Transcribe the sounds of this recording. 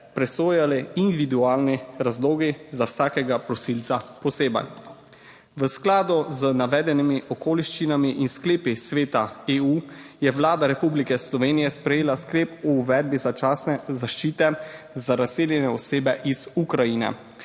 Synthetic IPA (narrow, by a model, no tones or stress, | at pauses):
pɾɛsoːjalɛind̪iʋid̪uaːlniɾazloːɡizawsaːkɛɡapɾɔsilt̪sapɔseːba̰n | ʋəsklaːd̪ɔzənaʋɛːd̪ɛnimiʔɔkoːliʃt͡ʃinamiʔinskleːpisʋeːt̪aeːujɛʋlaːd̪aɾɛpublikɛslɔʋeːnijɛspɾɛjeːlaskleːpɔːʋɛːd̪̚bizat͡ʃasnɛzaʃt͡ʃiːt̪ɛ | zaɾaseːljɛnɛɔseːbɛʔiz̥ukɾajinɛ̰